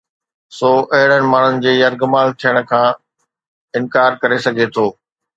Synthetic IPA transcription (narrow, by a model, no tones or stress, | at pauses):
soːʔɐɦɪɽənɪ̆maːɳ̤ʊnɪ̆d͡ʑeːjɐɾɡʊmaːlt̪ʰijəɽ̃̆kʰãː | ɪ̃nkaːɾkɐɾesɐɡʱet̪ʰoː